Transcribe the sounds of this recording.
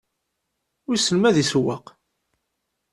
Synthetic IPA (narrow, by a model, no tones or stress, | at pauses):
ʊɾsəlmæðiswɑq